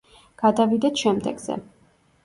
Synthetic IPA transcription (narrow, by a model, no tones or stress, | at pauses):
ɡ̥ad̪avid̪ɛt̪ʃɛmd̪ɛ̰ɡzɛ̰